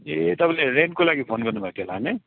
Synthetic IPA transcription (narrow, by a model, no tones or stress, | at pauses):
et̪ʌpãleɾenkolaɡipʰonɡʌrnubʱat̪ʰiolaɦne